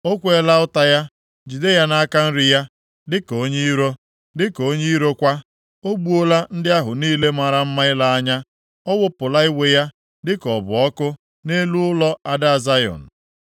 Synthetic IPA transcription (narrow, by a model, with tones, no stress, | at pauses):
o˦kʷe˨˦la˦ʊ˦ta˦ja˦ | d͡ʒu˨de˦ja˦na˦a˦ka˦n̩˦ɾɪ˦ja˦ | dɪ˦ko˨˦ɲe˦i˦ɾo˦ | dɪ˦ko˦ɲe˦i˦ɾo˦kʷa˦ | o˦ɡ͡bu˦o˦la˦n̩˦dɪ˦a˦ɦʊ˨niː˦le˦ma˨ɾa˦m̩˦ma˦ɪ˦la˦a˦ɲa˦ | ɔ˦wʊ˦pʊ˨la˦ɪ˦we˦ja˦ | dɪ˦kɔ˨bʊ̰˨ɔ˦kʊ˦ | ne˦lu˦ʊ˦lɔ˦a˦da˨za˦jɔ̰˨n̩˨